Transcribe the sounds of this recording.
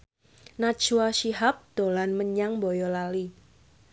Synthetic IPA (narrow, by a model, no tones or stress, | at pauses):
nat͡ʃuwaʃiɦap̚d̪̥olanməɲaŋbojɔlali